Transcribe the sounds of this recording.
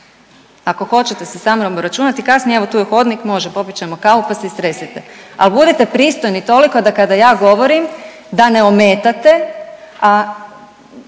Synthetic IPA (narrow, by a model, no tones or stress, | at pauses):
ako̞xo̞t͡ɕet̪esesamnobɾat͡ʃuːnat̪ikasnieeʋo̞t̪uːjexo̞d̪nikmo̞ʒepo̞pit͡ʃemo̞kaupaseist̪ɾe̞sit̪ealbud̪it̪e̞pɾiːst̪ojnit̪o̞liko̞d̪akad̪ajaːɡo̞ʋo̞ɾim | d̪ane̞omeːt̪at̪ea